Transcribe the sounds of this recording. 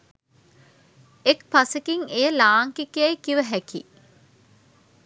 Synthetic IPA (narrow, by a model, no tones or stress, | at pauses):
ekpasəkiŋejəlaːŋkikjajkiʋəɦæki